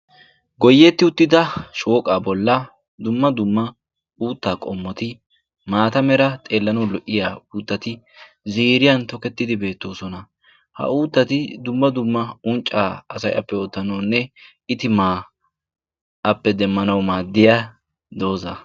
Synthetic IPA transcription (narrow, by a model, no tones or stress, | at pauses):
ɡɔjːɛt̪ːɪʊt̪ːɪd̪ɐʃʼo̞ːkʼaːbɔlːɐ | d̪ʊmːɐd̪ʊmːɐ | uːt̪ːaːkʼɔmːɔt̪ɪ | maːt̪ɐmɛɾɐt̪ʼe̞ːlːɐnɐwlɔʔːɪjaːuːt̪ːɐt̪ɪ | ziːɾɪjɐnt̪ɔkɛt̪ːɪd̪ɪbe̞ːt̪ːo̞ːsɔnɐ | hɐ̰uːt̪ːɐt̪ɪd̪ʊmːɐd̪ʊmːɐʊnt͡ʃʼːaːɐsɐjʔɐ̰pːɛoːt̪ːɐnɐːnːɛ | ɪt̪ɪmaː | ɐpːɛd̪ɛmːɐnɐwmaːd̪ːɪja | d̪o̞ːzɐ